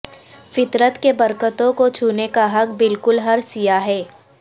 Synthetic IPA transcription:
fɪt̪ɾət̪kebɐɾkət̪õkot͡ʃʰuːnekaɦɐk̚bɪlkʊlɦɐɾsijaɦɛː

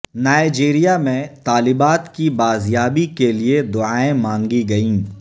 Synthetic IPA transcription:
naːɪd͡ʒeːɾijamẽt̪aːlɪbaːt̪kibaːzjaːbikelied̪ʊaːẽmãːŋɡiɡɐĩː

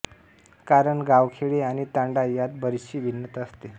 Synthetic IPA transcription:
kaɾəɳɡaʋkʰeɭeañit̪ãɳɖajat̪̚bəɾiɕiːʋinːət̪əst̪e

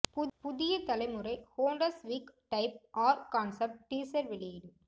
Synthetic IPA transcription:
pʊðɪjɐt̪ɐlɐɪmɯɾɐɪhoːɳɖɐsʋiːkʈɐɪp̚ʔaːɾkaːnsɐp̚ʈʈiːsɐɾʋɪɭɪjɪɽɯ

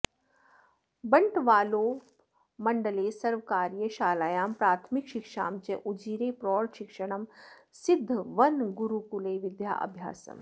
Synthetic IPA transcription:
bɐɳʈʋaːloː | mɐɳɖəleːsɐɾʋkaːɾjəʃaːlaːjaːmpɾaːɾt̪ʰmikʃɪkʃa̰ːmt͡ʃeʔud͡ʒiːɾeːpɾɔːɽʃɪkʂəɽ̃ɐmsɪd̪ʱːʋɐnɡuɾukuleːʋɪd̪ja̰ːʔɐ̰bʱja̰ːsɐ̰m

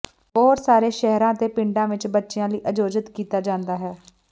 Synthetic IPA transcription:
ɔːɾsaːɾeːʃɛɦɾãːət̪eːpɪɳɖãːʋɪt͡ʃbətːʃɪjãːləiːʔəd͡ʒoːd͡ʒət̪kiːt̪aːd͡ʒãːnd̪aːɦɛː

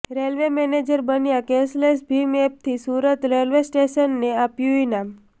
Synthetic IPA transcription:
ɾelʋemened͡ʒəɾbənjakɛ̃slesbʱimep̚t̪ʰisuɾət̪ɾelʋesʈeʃənːeapjuinam

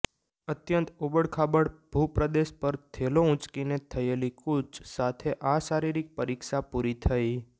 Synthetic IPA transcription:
ət̪jənt̪ubəɽkʰabəɽb̥ʱupɾəd̪eʃpəɾt̪ʰeloũt͡ʃkinet̪ʰəelikut͡ʃsat̪ʰeʔasaɾiɾik̚pəɾikʃapuɾit̪ʰəi

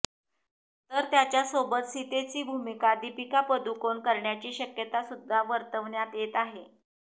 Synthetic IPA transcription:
t̪əɾt̪jat͡ɕjasobət̪sit̪et͡ɕiːbʱumikad̪ipikapəd̪ukonkəɾɳjat͡ɕiːɕəkjət̪asud̪ʱːaʋəɾt̪əʋɳjat̪jet̪aɦe

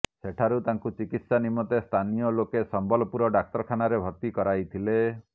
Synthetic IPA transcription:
seʈʰaɾut̪aŋkut͡ʃikit̪sanimːɔt̪est̪ʰanijɔlokesɔmbɔlɔpuɾɔɖak̚tɔɾɔkʰanaɾebʱɔɾt̪ikɔɾajt̪ʰile

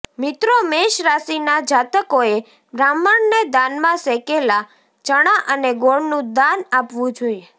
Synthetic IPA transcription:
mɪt̪ɾomeʃɾasinad͡ʒat̪əkoe | bɾaməɳned̪anmãsɛkela | t͡ʃəɽ̃aʔəneɡoɽnũd̪anapʋũd͡ʒoije

